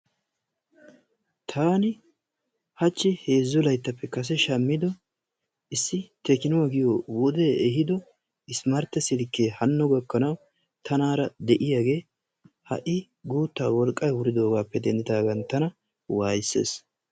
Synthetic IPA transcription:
t̪ʰaːnɪ | hɐt͡ʃːɪhe̞ːzːɔlɐjt̪ːɐpːɛkɐs̬ɛʃɐmːɪd̪ɔ | ʔɪsːɪt̪ɛkɪnʊwaɡɪjowɔd̪eɛɦɪd̪ɔ | ɪsmɐɾt̪ːɛsɪlkːeːhɐnːʊɡɔkːɐnɐw | t̪ʰɐnaːɾɐd̪ɛʔɪjaːɡe̞ː | hɐ̰ʔɪ | ɡuːt̪ːaːwɔlkʼːɐjwʊɾɪd̪o̞ːɡaːpːɛd̪ɛnd̪ɪd̪aːɡɐnt̪ɐnɐ | waːjɪsːḛːs

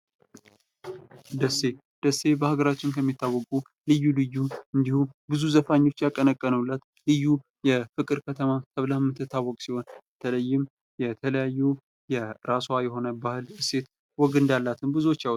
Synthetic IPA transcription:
d̪əsːe̞ | d̪̥əsːe̞bəhaɡəɾat͡ʃːɪnkʰəmːit̪ʰːawːɔkʼu | lɨjːulɨjːuɨnd̪ihubɨzuzəfaɲːo̞t͡ʃːjakʼːənəkʼːənəlːat̪ | lɨjːu | jɛfɨkʼɨɾkʰət̪ʰəmat̪ʰəβlamːɨt̪ʰːɨt̪ʰːawːɔkʼsiho̞nbət̪ʰələjːɪm | jɛt̪ʰələjajːu | jɛɾaswajɛɦo̞nəbahɨlɨse̞t̪ | wɔɡɨnd̪alːat̪ʰɨnbɨzuo̞t͡ʃːawt̪

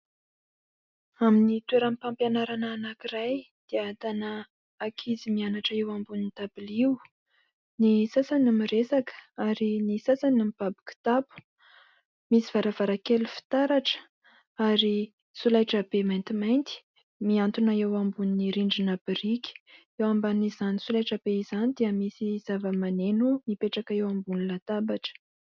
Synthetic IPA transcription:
aminit̪ueɾamipampjanaɾanaːnakiraj | d̪̥eat̪anə | akʰizimianaʈ͡ʂəewambuninit̪abiliw | nisasanamiresakə̥aɾinisasanamipabi̥ki̥t̪apu̥ | misiv̥aɾavaɾakelufi̥t̪aɾaʈ͡ʂə̥ | aɾi | sulajʈ͡ʂəb̥emajnt̪imajnt̪i̥ | miant̪unaewambuniniɾiɳɖ͡ʐinab̥iɾikʲi̥ | ewambanizanisulajʈ͡ʂab̥eizanid̪iəmisiz̥avəmanenumipeʈ͡ʂakaewambunilat̪abaʈ͡ʂə̥

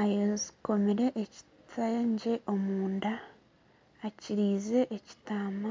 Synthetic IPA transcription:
ajeziko̞meɾe̞ʔeci̥ | tʰaɲɟe̞ʔo̞muːndaː | ciɾiːze̞ʔeci̥tama

